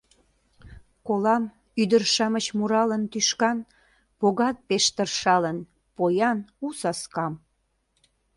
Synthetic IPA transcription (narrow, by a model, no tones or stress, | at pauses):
kolɑm | yd̪ərʃɑmət͡ɕmuɾɑlənt̪yʃkɑn | poɣɑt̪̚peʃt̪ərʃɑlən | pojɑnusɑskɑm